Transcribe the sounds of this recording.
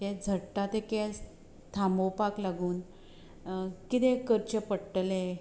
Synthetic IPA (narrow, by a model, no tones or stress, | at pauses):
ɛd͡zʱəɽʈat̪ekes | t̪ʰamopaklaɡuːn | kit̪ẽkəɾt͡ɕəpəɽʈəlẽ